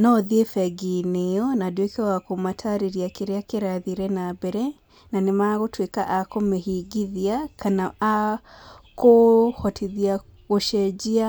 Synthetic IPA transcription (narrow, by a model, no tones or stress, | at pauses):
nɔðiefɛɡineɔnadwekɛwakomatʰaɾeɾiakeɾeakeɾaðiɾɛnabɛɾɛ | nanemaɣotwekaʔakomehiɡiðiakanaa | kohɔtʰiðia | ɣoʃɛd͡ʒia